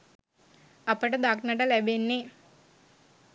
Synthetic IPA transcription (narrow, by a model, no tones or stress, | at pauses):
ɐpɐʈɐd̪aknɐʈɐlɛbenːi